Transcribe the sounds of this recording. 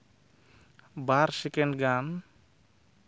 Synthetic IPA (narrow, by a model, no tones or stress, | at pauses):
baɾsɛkɛnɖɡan